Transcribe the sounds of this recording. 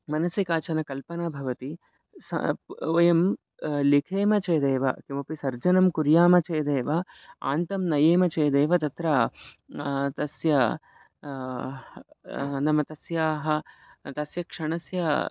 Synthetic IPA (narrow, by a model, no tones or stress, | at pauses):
mɐnɐsikaːt͡ʃɐnɐkɐlpɐnaːbʱɐʋɐt̪i | sɐ̰ojɐm | likʰeːmɐt͡ʃeːd̪eːʋɐ̰kimɐpisɐɾd͡ʒɐnɐmkuɾjaːmɐt͡ʃeːd̪eːʋɐ | a̰ːnt̪ɐmnɐjeːmɐt͡ʃeːd̪eːʋɐt̪ɐt̪ɾa | t̪ɐsjɐ | nɐmɐt̪ɐsjaːɦɐt̪ɐsjɐkʂɐɳɐsjɐ